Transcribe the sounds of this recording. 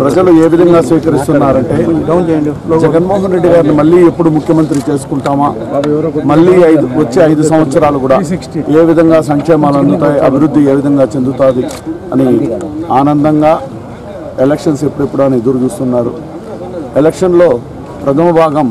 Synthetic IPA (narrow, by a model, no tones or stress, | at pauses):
pɾɐd͡ʒɐlue̞ːʋid̪ʱɐŋɡaːsʋiːkɐɾist̪unːaːɾɐɳʈe̞ː | d͡ʒɛɡɐnmoːɦɐnɾe̞ɖːiɡaːɾnimɐɭːiːepːuɽumukʰjɐmɐnt̪ɾit͡ʃe̞ːs̬u̥kuɳʈaːmaː | mɐɭːiːɐjd̪ʋɐt͡ʃːeːɐjd̪usɐmʋɐt̪sɐɾaːlukuːɽaː | e̞ːʋid̪ʱɐŋɡaːs̬ɐŋkʂɛːmaːluɐnd̪ut̪aːjiʔɐ̰bʱiɾud̪ːie̞ːʋid̪ʱɐŋɡaːt͡ʃe̞nd̪ut̪aːd̪iɐniaːnɐnd̪ɐŋɡaː | elekʂɐnse̞pːuɽepːuɽuɐnid̪uɾuɡist̪unːaːɾu | elekʂɐnlo̞ː | pɾɐt̪ʰɐmɐbʱaːɡɐm